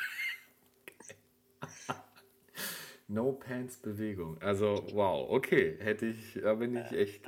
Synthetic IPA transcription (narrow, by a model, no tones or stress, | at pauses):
kː | noʊpʰɛnsb̥əveːɡʊŋʔalzowaʊʔo̰kʰeːhɛtəɪçd̥abɪnɪçʔɛçt